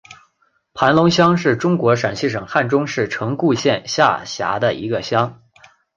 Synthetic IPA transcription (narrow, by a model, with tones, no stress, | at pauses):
pʰa˧˥nlʊ˧˥ŋɕjɑ˥ŋʂɻ̩˥˩ʈ͡ʂʊ˥ŋkwɔ˧˥ʂa˨˩nɕi˥˩ʂɤ˨˩ŋxa˥˩nʈ͡ʂʊ˥ŋʂɻ̩˥˩ʈ͡ʂʰɤ˧˥ŋku˥˧ɕjɛ˥˧nɕja̰˥˩ɕja̰˧˥d̪ə̰˧ḭ˧˥ɡə˧ɕjɑ˥ŋ